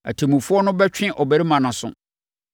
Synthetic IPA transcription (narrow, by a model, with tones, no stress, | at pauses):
æ̰˨tʰe˨mũ˨fʊ˦ɔ˦nʊ̃˦bɛ˦t͡ɕᶣɪ̃˦ʔɔ˨bæ˦ɾi˦mã˨nã˨sʊ̰̃˦